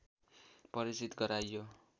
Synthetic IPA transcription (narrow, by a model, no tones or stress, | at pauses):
pʌɾisit̪ɡʌɾajːo